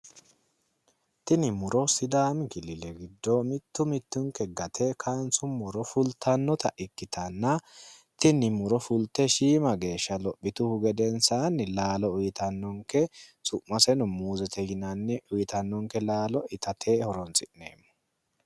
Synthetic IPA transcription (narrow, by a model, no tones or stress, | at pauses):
t̪ɪnɪmʊɾɔsɪd̪aːmɪkɪlɪlɛɡɪd̪ːɔmɪt̪ːʊmɪt̪ːʊŋkɛɡɐt̪ʰekʰaːnsʊmɔɾɔfʊlt̪ʰːɐnːɔt̪ɐʔɪkːɪt̪ɐnːɐt̪ɪnɪmʊɾɔfʊlt̪ːɛʃiːmɐɡe̞ːʃːɐlɔpːɪt̪ʊhʊɡɛd̪ɛnsaːnːɪlaːlɔʊjɪt̪ɐnːɔŋkɛsʊʔmːɐsɛnʊmuːzɛt̪ɛhɪnɐnːɛʔʊjɪt̪ɐnːɔŋkɛlaːlɔʔɪt̪ɐt̪ʰeːhɔɾɔnsɪnnːeːmːɔ̥